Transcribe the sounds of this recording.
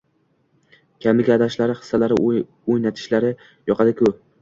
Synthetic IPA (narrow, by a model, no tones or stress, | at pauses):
kʲʰamɪɡʲaːd̪aʃlaɾɪχɨ̥sːalaɾɪ | ojnat̪ʰɪ̥ʃlaɾɪ | jɒqɑd̪akʲʰɵ